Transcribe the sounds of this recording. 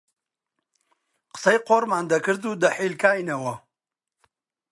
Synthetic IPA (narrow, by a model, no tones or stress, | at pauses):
qə̥sɐjqoːɾmaːnd̪ɐkɨɾd̪uːd̪ɐħiːlkʰaːjnɐwɐ